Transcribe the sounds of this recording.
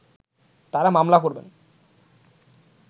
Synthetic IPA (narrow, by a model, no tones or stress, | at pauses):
t̪aɾamamlakoɾbḛn